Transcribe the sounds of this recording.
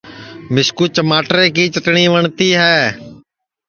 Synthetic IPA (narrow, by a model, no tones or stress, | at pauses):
mɪskuːt͡ʃəmaːʈɾeːkiːt͡ʃəʈɳiːʋəɳt̪iːɦɛː